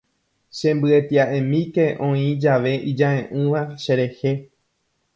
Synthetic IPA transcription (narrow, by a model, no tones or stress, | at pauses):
ʃẽ̞mbɨet̪iaʔẽmĩke̞ʔõ̞ĩd͡ʒaʋe̞ʔid͡ʒaẽʔɨ̃ʋaʃe̞ɾe̞he̞